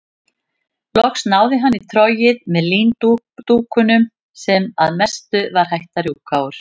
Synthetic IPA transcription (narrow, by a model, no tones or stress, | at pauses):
lɔxsnaːwðɪɦanːit̪ʰɾɔjɪðmɛðliːnt̪u | t̪uːkʏnʏm | sɛmaðmɛst̪ʏvaɾ̥hajht̪aɾiuːkʰaːwʏɾ̥